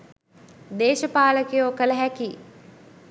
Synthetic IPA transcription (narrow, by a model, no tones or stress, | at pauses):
d̪eːʃəpaːləkijoːkələɦæki